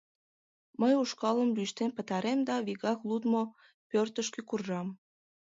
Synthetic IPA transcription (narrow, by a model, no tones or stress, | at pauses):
məjuʃkɑləmlyʃt̪enpət̪ɑɾemd̪ɑβiɣɑklud̪mo | pørt̪əʃkekurʒɑm